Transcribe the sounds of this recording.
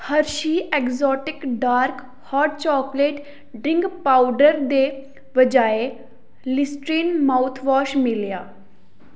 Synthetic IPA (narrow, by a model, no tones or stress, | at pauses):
həɾʃiːɛkzɔːʈɪkɖaːɾk | haːɾʈ̚t͡ʃɔːkleːʈ | ɖɾɪ̃ŋɡpawɖəɾd̪e | ʋəd͡ʒaːe | lɪsʈɾiːnmawt̪ʰʋɔːʃmiljaː